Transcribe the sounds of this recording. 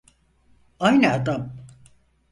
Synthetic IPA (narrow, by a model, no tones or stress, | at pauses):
ajniad̪am